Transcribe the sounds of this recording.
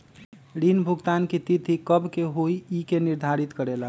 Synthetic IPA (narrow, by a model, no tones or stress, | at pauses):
ɽinbʱuɡt̪ankit̪it̪ikəbkeɦoiikeniɾd̪ʱaɾit̪kəɾelə